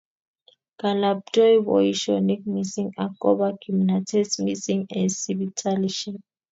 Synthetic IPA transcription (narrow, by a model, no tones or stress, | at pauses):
ɡ̥alab̚dɔjbɔ̰iʃɔnik̚misiŋakʼɔbaɡ̥ʰimnatʰɛsmisiŋɛsibitʰaliʃiŋ